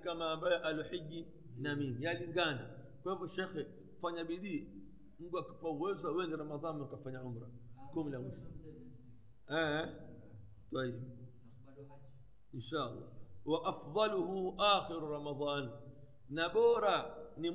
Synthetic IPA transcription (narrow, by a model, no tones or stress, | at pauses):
kamaːmbajɔʔaluħiʄi | namimijaliŋɡana | kwahivɔʃɛxɛ | faɲaɓiɗi | muɡuaki̥pauwɛzawɛŋɡiɾamaðanakafaɲaʕum̩ɾakumilamwiʃɔ̥ | ɛ | twahivi | inʃaɑ̰lːa̰waʔafðˤɑluhuʔaːxiɾuɾamaðˤɑːn | naɓɔɾani